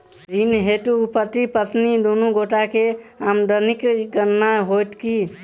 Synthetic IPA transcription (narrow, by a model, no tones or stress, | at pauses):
d͡ʒinɦeʈuːpət̪ipət̪nid̪onuɡoʈakeamɖ̪ənikɡəɾnaɦoʈ̪ki